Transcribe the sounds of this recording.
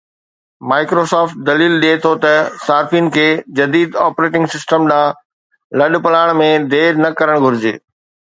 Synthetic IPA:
maːɪkɾoːsɔːfʈ̚d̪ɐliːlɗiet̪ʰot̪ɐsaːɾfin̆kʰeːd͡ʑɐd̪iːd̪aːpɾeːʈɪ̃ŋɡsɪsʈəmɗãː | lɐɗpɐlaːɪɽ̃mẽd̪eːɾnɐkɐɾəɽ̃ɡʱʊɾɪd͡ʑḛː

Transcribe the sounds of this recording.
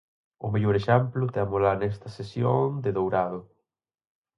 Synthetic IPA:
ʊmeʎoɾeʃɛmplʊt̪eamolaɾnɛst̪ɐsesjoŋd̪eðowɾaðʊ

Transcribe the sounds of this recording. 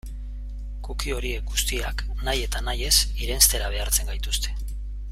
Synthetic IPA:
kukio̞ɾie̞k̚ɡust̪iak | naje̞t̪anaje̞siɾe̞nst̪e̞ɾaβ̞e̞aɾt͡se̞ŋɡajt̪ust̪e̞

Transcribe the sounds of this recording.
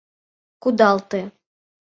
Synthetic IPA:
kud̪ɑlˠt̪e

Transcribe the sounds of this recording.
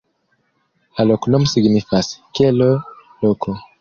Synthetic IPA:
alɔkunɔmsiɡnifaskɛlɔlɔkʰɔ

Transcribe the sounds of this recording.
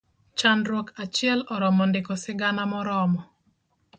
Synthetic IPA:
t͡ʃanɾwokat͡ʃɪɛlɔɾɔmɔndɪkɔsɪɡanamɔɾɔmɔ

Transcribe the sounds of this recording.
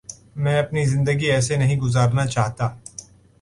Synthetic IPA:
mɛ̃ːɐpnizɪ̃nd̪əɡiɛːsenɐɦĩɡʊzaːɾnat͡ʃaːɦt̪aː

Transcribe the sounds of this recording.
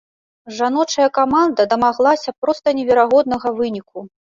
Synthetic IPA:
ʐanɔt͡ʂɐjɐkamand̪ɐd̪ɐmaɣlˠasʲɐpɾɔst̪ɐnʲɛvʲɛɾaɣɔd̪̚nɐɣɐvɨnʲiku

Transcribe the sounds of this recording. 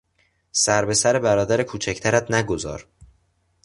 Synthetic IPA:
sæɾbe̞sæɾe̞bæɾɒːd̪æɾekʰuːt͡ʃʰæcʰt̪ʰæɾæt̪næɡo̞zɒ̰ːɾ

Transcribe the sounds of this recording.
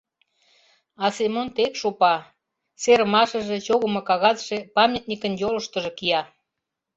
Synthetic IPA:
ɑsemont̪ekʃopɑ | seɾəmɑʃə̆ʒĕt͡ɕoɣəmokɑɣɑzʃepɑmʲjet̪nʲikənjolə̆ʃt̪ə̆ʒĕkijɑ

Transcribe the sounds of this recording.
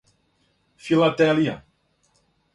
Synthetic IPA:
filadɛlia̰

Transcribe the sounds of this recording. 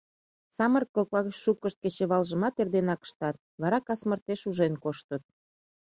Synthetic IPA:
sɑmərkoklɑɣʃup̚kəʃt̪̚ket͡ɕeβɑlʒəmɑt̪erd̪enɑkə̥ʃt̪ɑt̪̚βɑɾɑkɑsmərt̪eʃuʒenkoʃt̪ət̪̚

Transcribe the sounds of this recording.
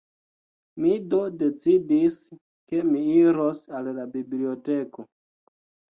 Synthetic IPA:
mido̞de̞t͡sidis | ke̞miiɾosallabiblio̞te̞ko

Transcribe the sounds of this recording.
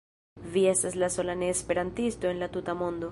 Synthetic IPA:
vie̞staslaso̞lane̞ːspe̞ɾantisto̞e̞nlatutamo̞ndo̞

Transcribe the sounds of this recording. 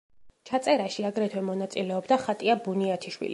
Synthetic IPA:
t͡ʃʰat̪sʼɛɾaʃiaɡɾɛt̪ʰwɛmɔnat̪sʼilɛɔbd̪aχat̪ʼiabuniat̪ʰiʃwḭli

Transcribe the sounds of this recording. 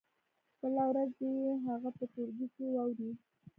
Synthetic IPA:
bəlawɾazajeɦaɣapət̪oɾɡikewɑwɾi

